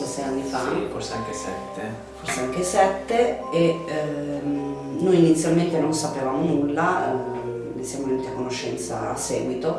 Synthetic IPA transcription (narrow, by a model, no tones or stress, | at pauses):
sɛseanːifaforseaŋkesɛ̰t̪ʰːe | forseaŋk̟esɛt̪ːee | nojinit̪sːjalment̪enonsapevaːmonulːa | mesjamonut̪iakonoʃːɛ̰nt̪sa̰a̰sːɛ̰ːɡwit̪o